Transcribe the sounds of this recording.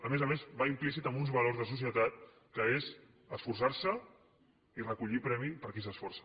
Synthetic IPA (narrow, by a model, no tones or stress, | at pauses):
əmezəmezbaimplisit̪əmbunzβɐlorzðəs̬us̬jət̪at̪̚ | kəez | əsfuɾsaɾsə | irəkuʎipɾɛmipəɾkis̬əsfɔɾrsə̥